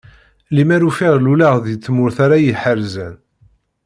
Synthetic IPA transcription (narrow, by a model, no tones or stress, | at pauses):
limæɾufiʁlulaʁðjət͡sːmʊɾθaɾajəħəɾzæ̰n